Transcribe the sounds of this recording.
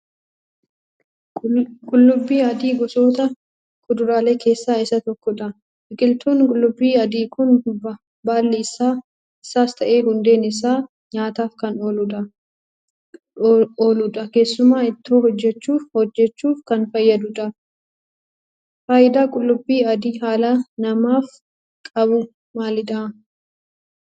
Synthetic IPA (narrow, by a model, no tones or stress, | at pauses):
kʼʊlːʊbːiːɐd̪iːɡɔso̞ːt̪ɐ | kʼʊd̪ʊɾaːle̞ːkʰe̞ːsːaːɪsɐt̪ɔkːɔᶑɐ | ʔɪkʼɪlt̪ʰoːnkʼʊlːʊbːiːɐd̪iːkʊnb | baːlːiɪsaː | ɪsaːst̪ʰɐʔe̞ːhʊnd̪e̞ːnɪs̬aː | ɲaːt̪aːfkɐnoːlʊᶑɐ | oːlʊᶑɐke̞ːsːʊmaːɪt̪ːoːɦɔd͡ʒːɛt͡ʃːuːfhɔd͡ʒːɛt͡ʃːuːfkɐnfɐjːɐd̪ʊᶑɐ | faːjɪd̪aːkʼʊlːʊbːiːɐd̪iːɦaːlɐanɐmaːf | kʼɐbʊ | maːlɪd̪ɐʔɐ